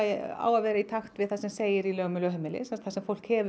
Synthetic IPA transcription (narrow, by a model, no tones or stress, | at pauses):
a̰ːwaðvɛːɾait̪ʰaxt̪vɪðθasɛmseːjɪɾilœːɣmʏlœɦœmɪlɪ̰sɛmst̪θasɛmfowl̥khɛv